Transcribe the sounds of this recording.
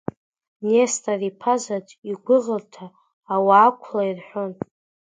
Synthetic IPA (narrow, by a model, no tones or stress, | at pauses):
nestʰʼaripʰazatʰʼiɡʷʊʁərtʰaː | waːkʷʰlairħʷᶣon